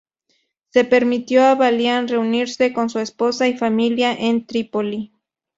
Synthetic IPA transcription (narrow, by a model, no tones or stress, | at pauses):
se̞pe̞ɾmit̪joaβaljanre̞uniɾse̞konsuespo̞saifamiljaʔent̪ɾipoli